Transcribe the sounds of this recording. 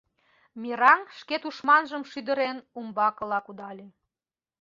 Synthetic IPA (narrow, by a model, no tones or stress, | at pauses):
mʲiɾɑŋʃket̪uʃmɑnʒəmʃyd̪ə̆ɾenumbɑkə̆lɑkud̪ɑlʲe